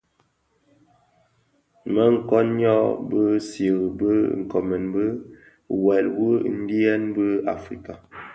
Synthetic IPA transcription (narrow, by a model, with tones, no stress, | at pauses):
mə˦ŋ̩˦kɔ˦nɲɔ˦bə˦sjə˨ɣbə˦ŋ̩˨kɔ˨mɛ˨nbə˦ | wɛ˨lwə˦n̩˦di˦ɛ˦nbə˦a̰˨fɾi˨ka˨